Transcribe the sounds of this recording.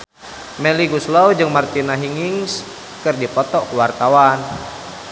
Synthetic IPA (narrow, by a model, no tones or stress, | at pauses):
mɛliɡuslawd͡ʒɨŋmart̪inaɦiŋiŋs | kɨrdipɔt̪ɔkuwart̪awan